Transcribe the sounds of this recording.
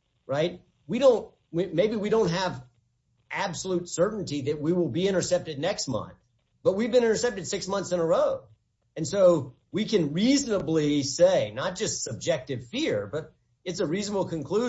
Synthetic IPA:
ɹaɪt̚ | wiɾõʊ̃nt̚ | wimeɪbiwiɾõʊ̃nt̚ɦɨv | ʔæbsəlutsɜ˞ʔn̩tiðɨt̚wiwɪlˠbiɪ̃ɾ̃ə˞sɛp̚tɨdⁿnɛkst̚mʌ̰̃nθ | b̥ʌt̚wivbɨ̃ñɪ̃ɾ̃ə˞sɛp̚tɨd̥sɪksmʌ̃nθsɨ̃nə˞oʊ | ɨ̃nsoʊ | wikɨ̃nɹiznəbliseɪnət̚d̥ʒ̥ʌstsʌb̚d͡ʒɛk̚tɨv̥fɪɹb̥ʌɾ | ɨtsəɹiznəbl̩ˠkʰɨ̃nkʰl̥u

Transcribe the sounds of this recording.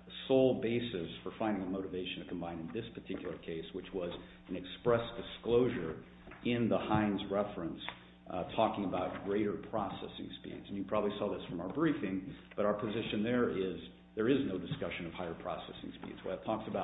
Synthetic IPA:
soʊlˠbeɪsɨsfə˞fãɪ̃ndɪ̃ŋɨmoʊɾɨveɪʃɨ̃n̩tʰɨkʰm̩bãɪ̃nɨ̃nðɪspʰə˞tʰɪkjl̩ˠə˞kʰeɪswɨt͡ʃwʌz | ɨ̃nɨkspɹɛsd̥ɨskloʊʒə˞ | ɪ̃nðəhãɪ̃nzɹɛfɹɨ̃ns | tʰɔkɪ̃ŋəbaʊt̚ɡ̥ɹeɪɾə˞pʰɹ̥ɔsɛ̰sɪ̰̃ŋspḭdz̥̃n̩wipʰɹ̥ɑbəblisɔðɪsfɹʌ̃maʊə˞bɹifɪ̃ŋb̥ʌɾaʊə˞pʰɨzɪʃɨ̃nðə˞ʔɪz | ðə˞ɪznoʊdɨskʌʃɨ̃nʌv̥haɪə˞pʰɹ̥ɔ̰sɛ̰sɪ̰̃ŋspḭdz̥wə̰tʰɔksɨbaʊ

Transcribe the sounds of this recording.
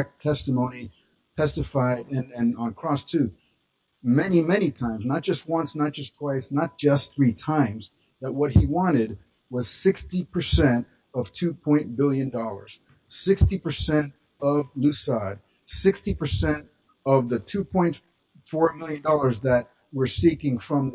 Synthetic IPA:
k̚tʰɛstəmõʊ̃ni | tʰɛstɨfaɪɾɨ̃nɨ̃nə̃n̩kʰɹ̥ɔstʰʉ | mɛnimɛnitʰãɪ̃mznət̚d̥ʒ̥ʌst̚wʌ̃nsnət̚d̥ʒ̥ʌstʰw̥aɪsnət̚d̥ʒ̥ʌstθɹitʰãɪ̃mz | ð̥ɨt̚wʌt̚hiwɑ̃ɾ̃ɪd̚ | wʌz̥sɪkstipʰə˞sɛ̃nt | ʌv̥tʰʉpʰɔ̃ɪ̃nb̥ɪlˠjɨ̃ndɔlˠə̰˞z̥ | sɪkstipə˞sɛ̃nt | ʌvlʉsɑd̚ | sɪkstipə˞sɛ̃nt | ʌvðɨtʰʉpʰɔ̃ɪ̃nt | fɔɹmɪlˠjɨ̃ndɔlˠə˞zðɨt̚ | wə˞sikɪ̃ŋfɹʌ̃m

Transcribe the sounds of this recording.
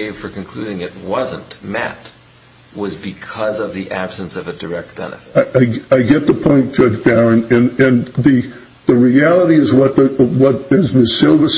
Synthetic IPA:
ɪv̥fə˞kɨ̃n̩kʰl̥ʉɾɪ̃ŋɨt̚wʌzə̰̃nʔmæ̰t̚ | wʌzbɨkʰʌzʌvðiʔæb̥sɨ̃nsʌvɨdə˞ɛk̚t̚b̥ɛ̰nɨfaɪʔaɪaɪɡɛt̪̚ðəpʰɔ̃ɪ̃nt̚d̥ʒ̥ʌd͡ʒbæɹɨ̃nɨ̃nɨ̃nðɨ | ðɨɹiælˠəɾiɨzwʌt̪̚ɨwʌɾɪzmɪsɪlˠvəs

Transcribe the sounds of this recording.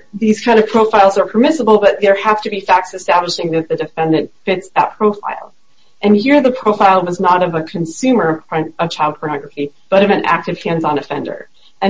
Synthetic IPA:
ðiz̥kʰãɪ̃ndʌv̥pʰɹ̥oʊfaɪlˠzə˞pʰə˞mɪsəbl̩ˠbʌt̪̚ðə˞hæftɨbifæk̚tsɨstæbləʃɪ̃ŋðɨt̪̚ðɨdɨfɛ̃ndɨ̃ntfɪtsðət̚pʰɹ̥oʊfa̰ɪlˠ | ʔɨ̃nhiɹðɨpʰɹ̥oʊfaɪlˠwʌznəɾʌvəkʰɨ̃nsʉ̃mə˞ʌv̥t͡ʃʰaɪlˠd̚pʰə˞nɑɡɹəfib̥ʌɾʌvɨ̃næ̰k̚tɨv̥hæ̃nznɨfɛ̃ndə̰˞ | ɨ̃

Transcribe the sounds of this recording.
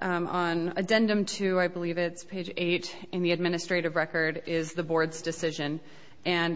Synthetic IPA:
ə̃nɨdɛ̃ndɨ̃mtʰʉaɪbəlivɪtspʰeɪd͡ʒeɪɾ | ɨ̃nðiɨd̚mɪ̃nɨstɹ̥eɪɾɨvɹɛkə˞ɾɪzðəbɔɹdzdɨsɪʒɨ̃n | ɨ̃n

